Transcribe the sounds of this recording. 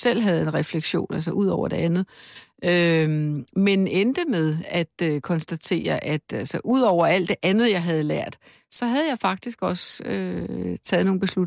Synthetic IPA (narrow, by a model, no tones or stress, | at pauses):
sel̰ɦæð̞̩ˠe̝nʁɛfleɡ̥ɕo̝̰ːnæls̬ɐʔuð̰ˠɒʊ̰ɐd̥e̝ænð̩ˠø | menend̥əmeð̞ˠæd̥økʰɒ̽nsd̥æt͡sʰe̝̰ːɐʔæd̥ælsɐʔuð̞̰ˠɒʊ̰ɐæl̰d̥e̝ʔænð̞̩ˠjɑ̈ɪɦæð̞̩ˠlæɐ̰d̥ | sɒ̽ɦæð̞ˠjɑ̈ɪfɑ̈ɡ̥̚d̥isɡ̥ɒ̽søt͡sʰɛːð̩ˠno̝ːŋnbe̝slu